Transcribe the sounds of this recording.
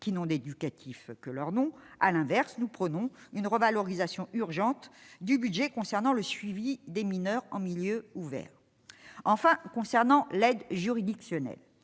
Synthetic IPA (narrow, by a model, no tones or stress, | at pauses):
kʲinɔ̃d̪ed̪ykat̪ʰifkəlœʁnɔ̃a̰lɛ̃vɛʁsnupχənɔ̃ynʁəvalɔʁizasjɔ̃yʁʒɑ̃t̪d̪ybyd̪ʒɛkɔ̃sɛʁnɑ̃ləsɥivid̪eminœʁɑ̃miljøuvɛ̰ːʁ | ɑ̃fɛ̃kɔ̃sɛʁnɑ̃lɛd̪ʒyʁid̪iksjɔnɛ̰l